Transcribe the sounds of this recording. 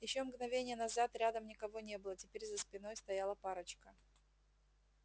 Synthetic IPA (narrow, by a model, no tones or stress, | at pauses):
jɪɕːomɡnɐvʲenʲɪjənɐzat̪ɾʲad̪əmnʲɪkɐvo̞nʲe̞bɨlˠətʲɪpʲeɾʲzəspʲɪno̞jst̪ɐjalˠəpaɾət͡ɕkə